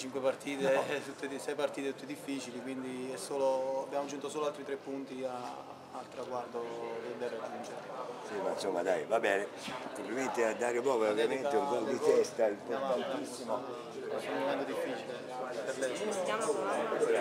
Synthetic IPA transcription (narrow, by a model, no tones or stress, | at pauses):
t͡ʃiŋkwepart̪ʰiːt̪et̪ut̪ːeisɛjpart̪iːt̪et̪ut̪ːed̪ifːiːt͡ʃilikwind̪iɛsːoːloabːjaːmod͡ʒːunt̪osoːloalt̪ɾit̪ɾepːunt̪iaː | lt̪ɾaɡward̪oviɛd̪ɛrːekaunt͡ʃɛɾsimainsomːad̪a̰jvabɛːne | kompliment̪ead̪ːaːɾepɾɔːveovjameneuɡɔit̪ɛst̪ailpɔaant̪isːimo | sonumːomɛnt̪od̪ifːiːt͡ʃilensomːapeɾbɛt̪ːam